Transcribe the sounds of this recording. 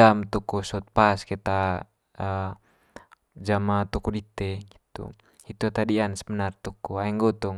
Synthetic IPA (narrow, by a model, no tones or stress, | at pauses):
amt̪ukusɔt̪̚paskɛt̪a | ə | d͡ʒamat̪ukudit̪ɛɡit̪ṵ | it̪uat̪adiansəbənart̪ukuaɛŋɡɔt̪ɔŋ